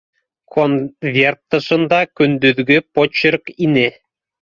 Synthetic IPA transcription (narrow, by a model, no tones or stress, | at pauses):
kʰonvʲert̪ːɤ̆ʃɤ̆nd̪ɑkʲynd̪yðɡɘpot͡ɕerkine